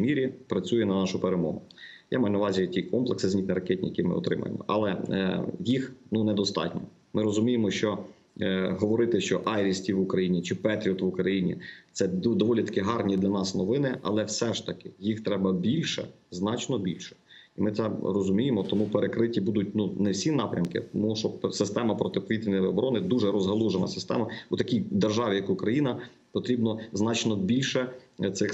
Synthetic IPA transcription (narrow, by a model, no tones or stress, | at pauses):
mʲiɾʲipɾɐt͡sʲujɛnɐnɑʃʊpeɾemɔ̰ɦʊja̰mɑjnɐʋɑzʲijtʲikɔmplˠeksɪzʲnʲit̪nɛɾɐkʲɛtʲnʲḭjɐkʲimɪ̰ɔ̰t̪ɾɪ̰mɐ̰jḛmɔ̰ʔɐ̰lˠɛjixnunɛd̪ɔst̪ɑ̰tʲnʲɔ | mɪɾɔzʊmʲijemɔʃt͡ʃɔ | ɦɔʋɔɾɪt̪ɪʃt͡ʃɔʔɑjɾʲisʲtʲiʋʊkɾɐjinʲit͡ʃɪpɛt̪ɾʲiɔt̪ʋʊkɾɐjinʲḭt̪sɛd̪ɔʋɔlʲit̪ɐ̥kɪɦɑrnʲid̪lʲɐnɑsnɔʋɪnɪʔɐ̰lˠɛwsɛʃt̪ɐkɪ̥jixt̪ɾɛbɐbʲilʲʃɛ̰ | znɑt͡ʃnɔbʲilʲʃɛ̥ | imɪt̪sɛrɔzʊmʲijemɔt̪ɔmupeɾekɾɪtʲibud̪ʊt̚ʲnunɛwsʲinɑpɾʲɐmkɪ̰t̪ɔmuʃɔbsɪst̪ɛmɐpɾɔt̪ɪpʋʲit̪ʲinɔɔbɔɾɔnɪd̪uʒɛɾɔzɦɐlˠuʒenɐ̰sɪ̥st̪ɛ̰mɐut̪ɐkʲijd̪erʒɑʋʲijɐkʊkɾɐjinɐ | pɔt̪ɾʲibnɔznɑt͡ʃnɔbʲilʲʃɛt̪sɪx